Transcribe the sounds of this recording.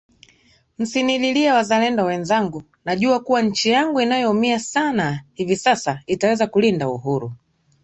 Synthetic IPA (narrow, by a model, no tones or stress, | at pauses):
m̩sinililiawazalɛndɔwɛnzaŋɡu | naʄuakuwaɲ̩t͡ʃijaŋɡuinajɔumiasanahivisasaitawɛzakulindaṵɦuɾṵ